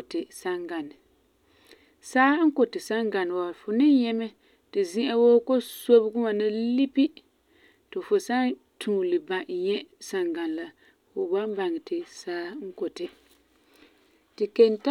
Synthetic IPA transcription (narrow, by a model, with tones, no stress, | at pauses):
tɪ˨sa˦ŋɡa˨nɨ˨ | saː˦ŋ̩˦ko˨tɪ˨sa˦ŋɡa˨n˨wa˨fʊ˨nɪ˦ɲɛ˦mɛ˦ | tɪ˨zi˦ʔa˦woː˦ko˦so˦bɡʊ˦ma˨nɪ˦li˦pi˦ | tɨ˨fʊ˨sa˦ | tʰũː˨lɨ˨ba˨ɲɛ˦sa˨ŋɡa˨n˨la˦ | fʊ˨ba˦m˦ba˨ŋɨ˨tɪ˨saː˦ŋ̩˦ko˨tɪ˨ | tɪ˨ke˨nta˦